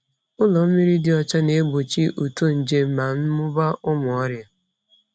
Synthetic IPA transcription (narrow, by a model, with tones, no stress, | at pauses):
ʊ˦lɔ˨m̩˦mi˦ɾi˦dɪ˦ɔ˨t͡ʃa˦ne˨˦ɡ͡bo˨t͡ʃi˦ʔu˨to˦˨n̩˨d͡ʒe˦ma˨n̩˦mʊ˦ba˦ʔʊ˦mʊ˨ɔ˦ɾja˦